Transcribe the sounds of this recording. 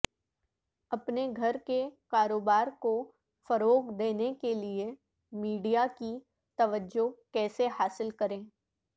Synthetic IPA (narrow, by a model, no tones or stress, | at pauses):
ɐpneɡʱɐɾkekaːɾoːbaːɾko | fɐɾoːɡd̪eːnekelie | miːɖijaki | t̪ɐʋəd͡ʒokɛːsehaːsɪlkɐɾẽː